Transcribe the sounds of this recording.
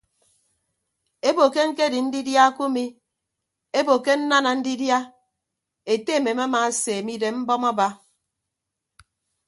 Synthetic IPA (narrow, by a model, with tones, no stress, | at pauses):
e˦bo˨ke˦ŋ̩˦ke˦di˨n̩˦di˦dja˦ku˦mi˦ | e˦bo˨ke˦n̩˦na˦na˨n̩˦di˦dja˦ | e˨te˦˨me˨m˦a˦ma˨˦se˨mi˦de˨m̩˦bɔ˦mɔ˦ba˦